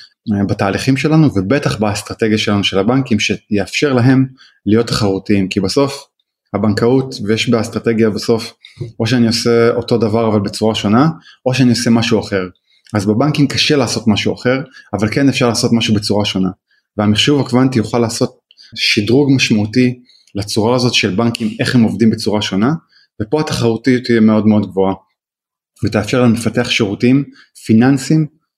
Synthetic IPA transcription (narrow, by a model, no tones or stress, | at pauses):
bataːliχimʃe̞lanuvebe̞taχbast̪ʁat̪e̞ɡjaʃe̞lanuʃe̞labaŋkimʃejeafʃe̞ʁlaɦe̞m | lijo̞t̪ːḁχaʁutiimkibaso̞f | habaŋkautvejeʃbestʁat̪e̞ɡjabaso̞fo̞ʃeanio̞seo̞to̞davaʁavalbet͡suʁaʃo̞nao̞ʃeaniose̞maʃuaχe̞ʁ | azbebaŋkimkaʃe̞laːso̞tmaʃuaχe̞ʁavalke̞nefʃaʁlaːso̞tmaʃubet͡suʁaʃo̞na | veamiχʃuvakvantijoχalaːso̞t̪̚ | ʃidʁuɡmaʃmauti | lat͡suʁaːzo̞t̪i̥ʃe̞lbaŋkime̞χhemo̞vdimbet͡suʁaʃo̞na | vepo̞atḁχaʁut̪ijutijeme̞o̞dmeo̞dɡvo̞a | vet̪ejafʃeʁlalmefateaχʃeʁutim | finansim